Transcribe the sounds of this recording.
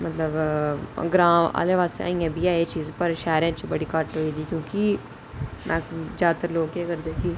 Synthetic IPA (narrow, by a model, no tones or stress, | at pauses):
mɐt̪ləb | ɡɾãːma̰ːleʋaːsḛa̰ːĩːãbʱiaːet͡ʃiːzpɐɾʃɛːɾẽt͡ʃbɐɽikaʈɦoid̪ikjõːki | mɛ̰̃ːzaːt̪əɾloːɡeɡəɾd̪eːki